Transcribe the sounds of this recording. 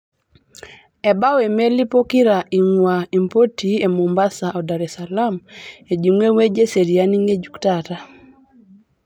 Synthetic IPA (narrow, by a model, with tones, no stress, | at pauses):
ɛ˨ba˦we˨me˦li˦po˦ki˦ɾa˨ʔi˨ŋwa˨i˨mpo˦ti˨e˨mo˨mba˦sa˨ʔɔ˨da˨ɾɛsa˨la˦me˨d͡ʒi˨ŋwe˦we˦d͡ʒe˦se˨ɾi˨a˦ni˦ŋe˦d͡ʒu˦ktata˨